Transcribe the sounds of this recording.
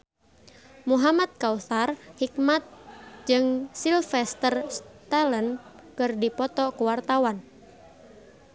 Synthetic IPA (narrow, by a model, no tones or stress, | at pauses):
muɦamat̪̚kauθarhikmat̪̚d͡ʒɨŋsilfɛst̪ərst̪alənkɨrdipɔt̪ɔkuwart̪awan